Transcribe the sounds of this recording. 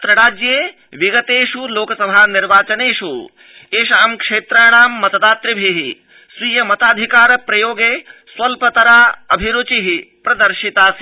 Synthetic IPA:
t̪ɾɐɽaːd͡ʒjeː | ʋiɡɐt̪eːʂuloːkɐsɐbʱaːniɾʋaːt͡ʃɐneːʂṵ | eːʃaːmkʂeːt̪ɾaːɽ̃aːmːɐt̪ɐd̪aːt̪ɾibʱiɦi | swiːjɐmɐt̪aːd̪ʱikaːɾpɾɐjoːɡeːswɐlpɐt̪ɐɾaːɐbʱiɾoːt͡ʃiɦipɾɐd̪ɐɾʃit̪aːs

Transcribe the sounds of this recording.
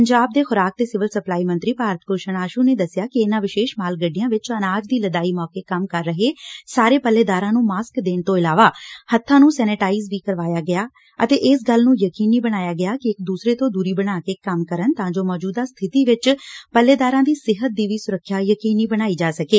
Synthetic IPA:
əɲd͡ʒaːb̚d̪eːxʊɾaːk̚t̪eːsɪʋəlsəplaːiːmə̃nt̪ɾiːpaːɾət̪̚ʰkoːʃənaːʃuːneːd̪əsːɪjaːkɪɪnãːʋɪʃeːʃmaːlɡəɖːɪjãːʋɪt͡ʃənaːd͡ʒd̪iːləd̪aːiːmɔːkeːkəmkəɾːəɦeːsaːɾeːpəlːeːd̪aːɾãːnũːmaːskd̪eːɳt̪õːɪlaːʋaːhət̪ʰːãːnũːsɛːnɪʈaːiːzʋiːkəɾʋaːjaːɡɪaː | ə̰t̪eːʔɪsɡəlnũːjəkiːniːbəɽ̃aːjaːɡɪaːkɪɪk̚d̪uːsɾeːt̪õːd̪uːɾiːbəɽaːkeːkəmkəɾənt̪ãːd͡ʒoːmɔːd͡ʒuːd̪aːst̪ʰɪt̪iːʋɪt͡ʃpəlːeːd̪aːɾãːd̪iːsɪɦət̪̚d̪iːʋiːsʊɾəkʰːjaːjəkiːniːbəñaːiːd͡ʒaːsəkeː

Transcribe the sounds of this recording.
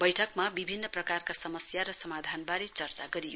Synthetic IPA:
bʌjʈʰʌkmabibʱinːʌprʌkarkasʌmʌsjaɾʌsʌmad̪ʱanbaɾet͡sʌrt͡saɡʌɾijo

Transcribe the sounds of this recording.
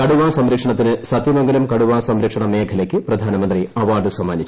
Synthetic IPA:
kɐɽuʋaːsɐmɾɐkʂɐɳɐt̪ːinɨsɐt̪jɐneŋɡɐlumkɐɽuʋaːsɐmɾɐkʂɐɳɐmeːkʰɐlekːɨprɐd̪ʱaːnɐmɐnd̪riɐʋaːɖɨswɐmːaːnit͡ɕː

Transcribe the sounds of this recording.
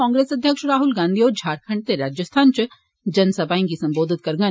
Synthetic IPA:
ɔ̃ːŋɡɾeːsɐd̪ʱjəkʃɾaːɦʊlɡãːnd̪ʱioːɾd͡ʒʱaːɾkʰə̃ɳɖ̚t̪eɾaːd͡ʒəst̪ʰaːnt͡ʃ | d͡ʒɐnsɐbaːĩkisɐ̃mboːd̪ʱɪt̪̚kɐɾɡə

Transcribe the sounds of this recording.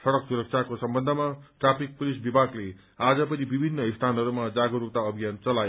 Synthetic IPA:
sʌɽʌksuɾʌk̚t͡sʰakosʌmbʌnd̪ʱʌmaʈrapik̚pulisbibʱaɡle | ad͡zʌpʌnibibʱinːʌist̪ʰanʌɾumad͡zaɡʌɾup̚t̪aʌbʱijant͡sʌlaje

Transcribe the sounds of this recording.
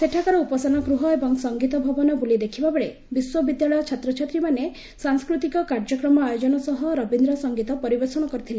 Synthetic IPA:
seʈʰakaɾɔupɔsanɔkɾuɦɔebɔŋsɔŋɡit̪ɔbʱɔbɔnɔbulid̪ekʰibabeɭe | biswɔbid̪jaɭɔjɔt͡ʃʰat̪ɾɔt͡ʃʰat̪ɾimane | saŋskɾut̪ikɔkaɾd͡ʒɔkɾɔmɔajod͡ʒɔnɔsɔɦɔɾɔbind̪ɾɔsɔŋɡit̪ɔpɔɾibeɾsɔɽ̃ɔkɔɾit̪ʰile

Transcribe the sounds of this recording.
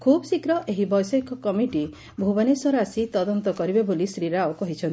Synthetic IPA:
kʰubɔsikɾɔʔeɦibɔjsɔikɔkɔmiʈi | bʱubanesɔɾasit̪ɔd̪ɔnt̪ɔkɔɾibebolisɾiɾaokɔɦit͡ʃʰɔnt̪i

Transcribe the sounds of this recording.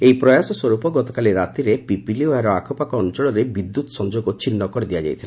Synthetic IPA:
ejpɾɔjasɔswɔɾupɔɡɔt̪ɔkaliɾat̪iɾepipilioaɾɔakʰɔpakɔɔnt͡ʃɔɭɔɾebid̪ːut̪ɔ̥sɔnd͡ʒoɡɔt͡ʃinːɔkɔɾid̪ijad͡ʒa̰jt̪ʰila

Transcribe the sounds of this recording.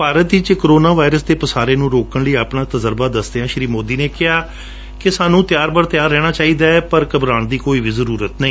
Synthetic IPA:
paːɾət̪ɪt͡ʃkːɾoːnaːʋaːɪɾəsd̪eːpəsaːɾeːnũːɾoːkəɳləiːaːpnaːt̪əzəɾbaːd̪əsd̪eãːʃɾiːmoːd̪iːneːkɪɦaː | kɪsaːnũːt̪ɪjaːɾbəɽt̪jaːɾːɛːɽ̃aːt͡ʃaːiːd̪aːɛːpəɾkəbɾaːɳd̪iːkoːiːʋiːzəɾuːɾət̪nəĩː

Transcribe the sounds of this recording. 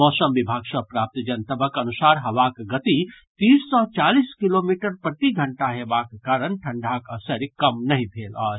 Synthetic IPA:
mɔːsəmbibʱaɡsə̃pɾap̚t̪d͡ʒənt̪əbəkənusaɾɦəʋakɡət̪i | t̪isːɔt͡ʃaliskilomiʈəɾpɾət̪iɡʱəɳʈaɦebakːaɾənʈʰəɳɖʱakəsəɾjkəmnəɦĩbʱelə

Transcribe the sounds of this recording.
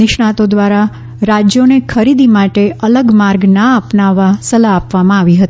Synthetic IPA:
nɪʃɳat̪od̪ʋaɾa | ɾad͡ʒjonekʰəɾid̪imaʈeələɡmaɾɡnaəpnaʋːasəlaːpʋamãaʋiɦət̪i

